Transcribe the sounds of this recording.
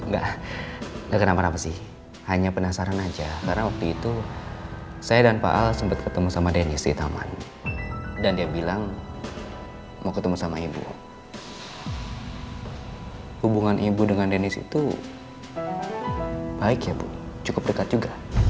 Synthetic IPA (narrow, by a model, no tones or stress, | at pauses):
ŋɡa̰ʔ | ŋɡaʔkənamanapasɪh | haɲapənasaɾanad͡ʒakaɾənawak̚t̪uit̪u | sajadanpa̰ʔalsəmpət̪̚kət̪əmusamadenɪsdit̪a̰ma̰n | dandiabilaŋ | makət̪əmusamaibṵ | hubuŋanʔibudəŋandenɪsḭt̪u | baɪkjapʊ̰nt͡ʃukʊp̚dəkat̪̚d͡ʒuɡa